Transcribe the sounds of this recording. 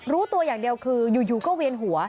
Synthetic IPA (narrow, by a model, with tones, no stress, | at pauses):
ɾuː˦˥t̪u˧ɐjaː˨˩ŋdi˧əwkʰɯː˧juː˨˩juː˨˩kɔː˥˩wi˧ənɦu˩˦ɐ